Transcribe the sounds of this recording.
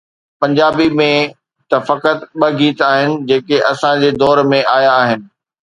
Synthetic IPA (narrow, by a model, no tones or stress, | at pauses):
pɐ̃ɲd͡ʑaːbimẽ | t̪ɐfɐkət̪ɓɐɡiːt̪aːɦɪnɪ̆d͡ʑeːkeʔɐsãd͡ʑeːd̪ɔːɾmẽʔaːjaːɦɪnɪ̆